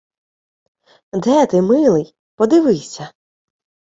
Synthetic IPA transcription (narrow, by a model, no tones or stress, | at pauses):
d̪ɛt̪ɪmɪlˠɪj | pɔd̪ɪʋɪsʲɐ